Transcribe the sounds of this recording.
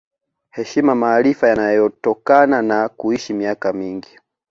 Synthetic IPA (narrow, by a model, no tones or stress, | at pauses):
hɛʃimamaːlifajanajɔjɔtɔkananakuiʃimiakamiŋɡi